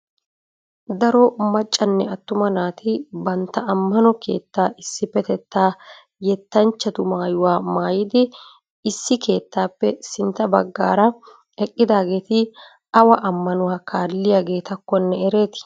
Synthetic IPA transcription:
d̪ɐɾɔmɐt͡ʃʼːɐnːɛɐt̪ːʊmɐnaːt̪ʰɪbɐnt̪ːɐʔɐmːɐnɔke̞̰ːt̪ːaːʔɪsːɪfɛt̪ɛt̪ːaː | jɛt̪ːɐnt͡ʃːɐt̪ʊmaːjʊwaːmaːjɪd̪ɪ | ɪsːɪke̞ːt̪ːaːpːɛsɪnt̪ːɐbɐɡːa̰ːɾɐ | ɛkʼːɪd̪aːɡe̞ːt̪ɪ | ɐwɐʔɐmːɐnʊwaːkaːlːɪjaːɡe̞ːt̪ɐkːɔnːɛɛɾe̞ːt̪ɪ̥

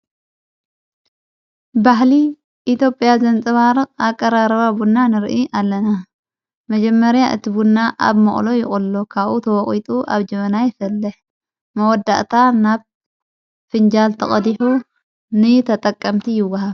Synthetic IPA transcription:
bahli | ʔit̪jo̞pʼjazɐnt͡sʼɨβaɾɨχʼakʼːɐɾaɾɐβabunːanɨɾʔiʔalːɐna | mɐd͡ʒɛmːɐɾjaʔɨ̰t̪ʰibunːaʔa̰βmɐχʼlo̞jɪχʼɨlːokʰaβʔut̪ʰɐwɔχʼit̪ʼuʔa̰βd͡ʒɐβɐnajɪfɐlːɨħ | mɐwɔd̪ːa̰ʔt̪ʰanaβ | fɨnd͡ʒalt̪ʰɐχʼɐd̪iħu | nɨt̪ʰɐt̪ʼɐkʼːɐmt̪ʰijɪwːɐɦaβ

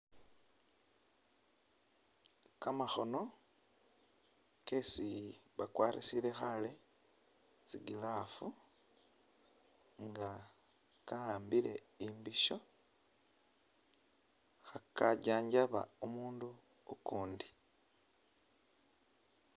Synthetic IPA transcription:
kamaxo̞no̞ | ke̞siβakwaːɾḭsile̞xale̞ | t͡siɡilafu | ŋɡa | kalaːmbile̞̰ | imbiʃo̞ | xakaɟaːɲɟaβa̰umuːndu | okuːndi

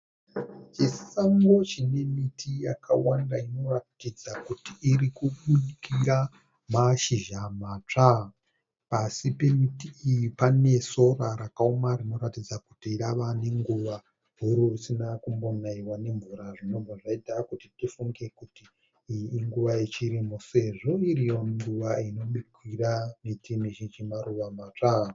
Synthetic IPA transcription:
t͡ʃisaŋɡo̞t͡ʃine̞mitʰijakʰawandaino̞ratid͡zakutiːrikuɓuɗikʰiɾa | maʃiʒamat͡ʂa | pasipe̞mitiːjipane̞so̞raɾakaomarino̞ɾatid͡zakutiːɾaʋane̞ŋɡuʋa | ɦuɾurusinakumbonaiwane̞ɱvuɾaʐino̞mɡoʐaitakutitifuŋɡe̞kutiː | ŋɡuʋaet͡ʃiɾimose̞ʐo̞iɾijo̞ŋɡuʋaino̞ɓikwiramitimiʃit͡ʃimaɾuʋamat͡ʂa

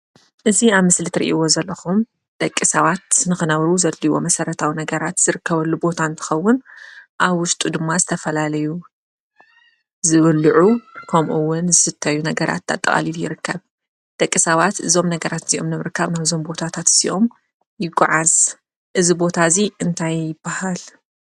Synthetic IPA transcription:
ʔɨziaβmɨslit̪ʰɨɾḭʔiwo̞zɐlːɐxum | d̪̥ɐkʼːisɐβat̪nɨxɨnɐβɾuzɐlːiwo̞̰mɐsɐɾɐt̪ʰawinɐɡɐɾat̪z̥ɨɾɨkːɐβɐlːubo̞t̪ʰant̪ʰɨ̥xɐwːʊnʔaβwʊʃt̪ʼud̪ɨmːazɨt̪ʰɐfɐlalɐju | zɨβɨlːʕukʰɐmʔuwːʊnzɨsɨt̪ʰːɐjunɐɡɐɾʔa̰t̪ːa̰t̪ʼːɐχʼa̰liljɪɾɨkːɐβ | d̪̥ɐkʼːisɐβat̪ɨzo̞mnɐɡɐɾat̪z̥iʔo̞mnɨmɨɾkʰːaβnaβzo̞mbo̞t̪ʰat̪ʰat̪ziʔo̞m | jɪɡaʕaz | ʔɨzibo̞t̪ʰaziʔɨnt̪ʰajːɪbːahal

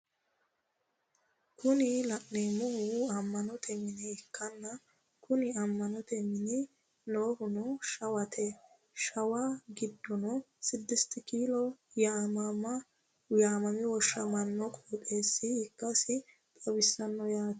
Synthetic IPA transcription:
kʰʊnɪlɐʔnemʊhʊɐmːɐnɔt̪ʰɛmɪnɛɪkːɐnːɐ | kʊnɪɐmːɐnɔt̪ɛmɪnɪ | noːhʊnɔʃɐwɐt̪ʰɛ | ʃɐwɐɡɪd̪ːɔnɔ | sɪd̪ːɪst̪ɪkiːlɔjaːmamɐ | jaːmɐmɪwɔʃːɐmɐnːɔkʼoːt̪ʼe̞ːsːɪɪkːɐsɪ | t̪ʼɐbɪsːɐnːɔjaːt̪

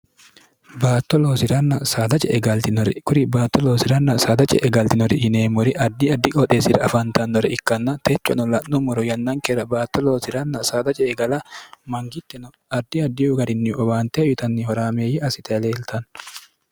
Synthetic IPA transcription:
baːt̪ːɔloːsɪɾɐnːɐsaːd̪ɐt͡ʃʼɛʔɛɡɐlt̪ɪnɔɾɛ̰kʊɾɪbaːt̪ːɔloːsɪɾɐnːɐsaːd̪ɐt͡ʃʼɛ̰ʔɛɡɐlt̪ɪnɔɾɪhɪneːmːɔɾɪʔɐd̪ːiɐd̪ːɪkʼɔᶑ̪eːsɪɾɐɐfɐnt̪ɐnːɔɾɛɪkːɐnːɐt̪ʰɛt͡ʃːɔnɔlɐnːumɔɾɔjɐnːaŋkɛɾɐbaːt̪ːɔloːsɪɾɐnːɐsaːd̪ɐt͡ʃʼɛɛɡɐlɐmɐŋɡɪt̪ːɛnɔ | ɐd̪ːɪɐd̪ːɪʊɡɐɾɪnːɪɔbaːnt̪ɛːjʊt̪ɐnːɪhɔɾaːmeːjɛʔɐsɪt̪ʰɛleːlt̪ɐn

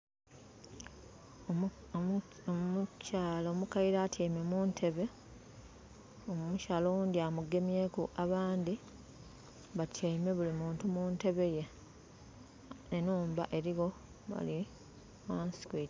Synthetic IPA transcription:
mucaːlomukaiɾaːtʰeːmemuːntʰe̞βe̞ | omumucaːlound̪iamuɡe̞mje̞kuʔaβaːndi | βatʰeime̞βulimuːntumunte̞βe̞je | nenuːmba̰ʔe̞ɾiɣo̞ | ma̰li | manskwiti̥

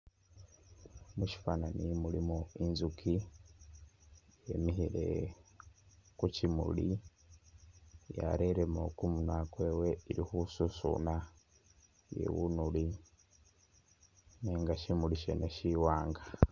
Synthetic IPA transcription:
muʃi̥fananimulimuinzukʰi | jḛmiɦiɾe̞̰ | kucimṵli | ja̰ɾeɾemokumunakwe̞we̞iɾixususṵna | jḛwunuli | neːŋɡaʃimuliʃḛneʃiwaːŋɡa

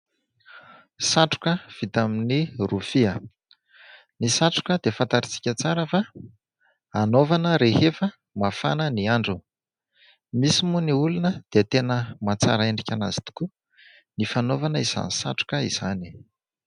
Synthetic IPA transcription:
saʈ͡ʂu̥kəv̥it̪aminirufiə | nisaʈ͡ʂu̥kəd̪efant̪aɾit͡si̥kʲət͡saɾəfa | anovanəɾehefə | mafa̰nəniaɳɖ͡ʐu | misimuniulunəd̪̥eat̪enəmat͡sa̰ɾəeɳɖ͡ʐikʲanazi̥t̪u̥ku | nifanovanəiz̥a̰nisa̰ʈ͡ʂu̥kəiz̥ani̥

